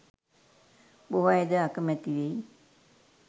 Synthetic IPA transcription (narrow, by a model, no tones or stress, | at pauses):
boɦajed̪əakəmɛt̪iʋej